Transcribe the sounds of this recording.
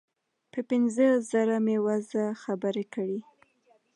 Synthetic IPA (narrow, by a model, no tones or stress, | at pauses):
pəpɪnzəzaɾamewazaxabəɾekəɽi